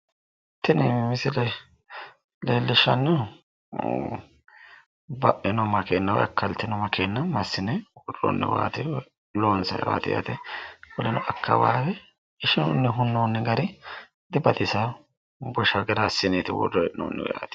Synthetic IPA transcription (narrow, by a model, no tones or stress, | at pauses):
t̪ːɪnɛmɪsɪlɛ | leːlːɪʃːɐ̰nːʊ | bɐʔɪnɔmɐkeːnːɐw̰ɐ̰kːɐlt̪ːɪnɔmɐkeːnːɐmɐsːɪnɛwɔrɔ̰nːɛ̰wa̰ːt̪ɪ | loːnsɐ̰jwa̰ːt̪ɪ̰ja̰ːt̪ɛkɔlɛnɔʔɐkːɐ̰wa̰ːbɛ | ɪʃɪnonːɛɦʊnːonːɛɡɐɾɪ | d̪ɪbɐd̪ɪsa | bɔʃɐɡɪɾasɪneːt̪ɪwɔ̰dːɔɛɪno̰ːnːɛwjaːt̪ɪ̥